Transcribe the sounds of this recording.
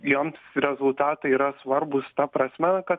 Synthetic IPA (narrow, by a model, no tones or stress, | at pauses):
joːmsɾʲɛzʊlˠt̪ɑːt̪ɐiːɾɐsʋɐɾbʊst̪ɐpɾɐsʲmʲɛkɐt̪